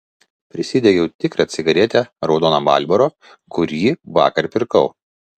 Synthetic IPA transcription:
pʲɾʲɪsʲiːd̪ʲɛɡʲɛʊt̪ʲɪkɾɐt̪sʲɪɡɐɾʲɛt̪ʲɛɾɒʊd̪oːnɐbɑ̰ˑlʲbɐɾoː | kʊɾʲiːʋɑ̰ːkɐɾpʲɪɾkɐʊ

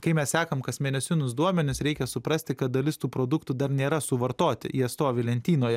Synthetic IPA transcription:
kɐɪmʲɛssʲɑːkɐmkɐsmʲɛːnʲɛsʲɪnʊsd̪uɔmʲɛnʲɪsɾʲɛɪkʲɛsʊpɾɐsʲt̪ʲɪkɐt̪̚d̪ɐlʲɪst̪uːpɾoːd̪ʊkt̪ʊd̪ɐɾnʲeːɾɐsʊʋɐɾt̪oːt̪ʲɪ̰jiɐt̪st̪oːʋʲɪlʲɛnʲt̪ʲiːnoːjɛ

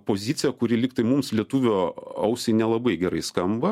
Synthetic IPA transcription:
poːzʲit̪sʲɪjɛkʊɾʲɪlʲiːkt̪ɐɪmumslʲiɛt̪uːʋʲoːɐʊsʲɛɪnʲɛlˠɐbɐɪɡʲɛɾɐɪskɐmbɐ

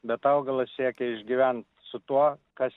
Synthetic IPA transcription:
bʲɛt̪ɐʊɡɐlˠɐssʲiɛkʲɛɪʒʲɡʲiʋʲænt̪ | sʊt̪uɔkɐs

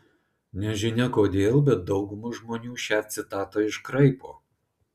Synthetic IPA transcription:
nʲɛʒʲɪnʲɛkoːd̪ʲeːlˠbʲɛt̪̚d̪ɒʊɡʊmuʒmoːnʲuːʃʲæːt̪̚ʲsʲɪt̪ɑːt̪ɐɪʃkɾɐɪpoː

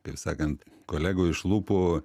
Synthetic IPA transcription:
k̪ɐɪpsɑ̰ːkɐnt̪koːlʲæːɡoːɪʃlˠuːpoː

